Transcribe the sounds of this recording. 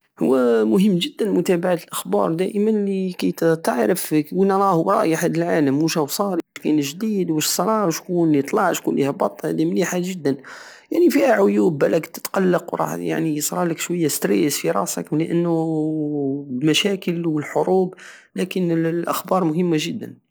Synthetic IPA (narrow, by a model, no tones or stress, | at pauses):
hʊ̰wːæmʊɦəmːʒəd̪ːənmʊt̪æbaʕat̪əlʔəxbɑ̰ɾˤd̪æʔəmənlikæjt̪t̪əʕɾəfwənɑɾˤɑhʊwɾˤɑʔjħæd̪əlʕaləmːəʃhæwsˤɑɾiwʃkænʒd̪id̪wəʃsˤɾˤɑʕʃkunlit̪ˤlɑʕʃkunlihæbɑt̪ˤːhæ̰d̪imliħaʒəd̪ːənjaʕnifihæʕʊjubælækt̪ə̥t̪qɑlːɑqwɾˤɑ̰ħja̰ʕnijəsˤɾˤɑləkʃwəjːast̪ɾesfiɾˤɑ̰ʔsə̰kliʔənːʊ | lmæʃækəlwəlħoɾuːb | lækənlʔəxbɑɾˤmʊɦəmːaʒəd̪ːə̰n